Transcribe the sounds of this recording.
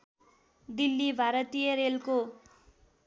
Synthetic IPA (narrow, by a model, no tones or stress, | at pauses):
d̪ilːibʱaɾʌt̪ijʌɾelko